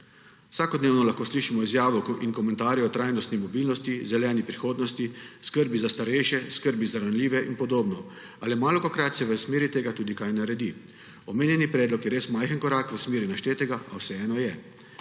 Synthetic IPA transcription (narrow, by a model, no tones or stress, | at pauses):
wsaːkɔd̪neːwnɔlaxkoːsliʃimɔizjaːʋɔinkɔmɛ̃nt̪aːɾjɛɔt̪ɾajnɔst̪nimɔbiːlnɔst̪izɛlɛːnipɾixoːd̪nɔst̪iskəɾbizast̪aɾɛjʃɛskəɾbizaɾanlʲiːʋɛʔinpɔd̪oːbnɔ | alimaːlɔkɔkɾat̪sɛʋəsmeːɾit̪eːɡat̪uːd̪ikajnaɾɛd̪i | ɔmeːnjɛnipɾɛːd̪lɔkjɛɾeːsmajxənkɔɾakʋəsmeːɾinaʃt̪eːt̪ɛɡaʔawsɛɛːnɔjɛ